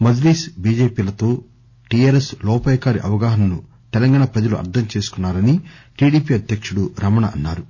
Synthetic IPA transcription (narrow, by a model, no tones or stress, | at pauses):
mɐd̪ɾiːsbiːd͡ʒeːpiːlɐt̪o̞ː | ʈiaːɾeslɔːpaːjɐkaːɾiʔɐ̰ʋɐɡaːɦɐnɐmnu | t̪ɛlɐŋɡaːɳɐpɾɐd͡ʒɐluʔɐ̰ɾd̪ʰʱɐmt͡ʃe̞ːsu̥kunːaːɾɐniʈiːɽiːpiɐd̪ʱjɐkʂuɽuɾɐmɐɳɐʔɐnːaːɾu